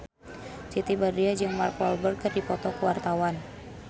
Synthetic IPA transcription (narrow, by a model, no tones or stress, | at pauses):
t͡ʃit̪ibardiad͡ʒɨŋmark̚ɔlbərkərdipɔt̪ɔkuwart̪awan